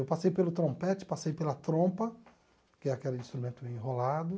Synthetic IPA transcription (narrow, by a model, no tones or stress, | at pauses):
ewpasejpelʊt̪ɾõpɛt͡ʃɪ̥pasejpelɐt̪ɾõpɐ | kɪɛakɛlĩst̪ɾumẽnt̪ʊẽɦolad̪ʊ